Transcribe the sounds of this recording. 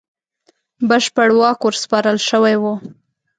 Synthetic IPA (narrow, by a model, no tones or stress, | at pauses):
baʃpəɽwɑkwoɾspɑɾəlʃəwajwu